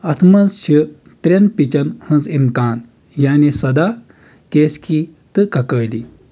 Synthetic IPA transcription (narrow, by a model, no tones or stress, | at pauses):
ɐt̪ʰmɐnzɕə | t̪ɾenpit͡ɕɐnhə̃nzinkaːn | janesɐd̪a | keskit̪ɨkɐkəːli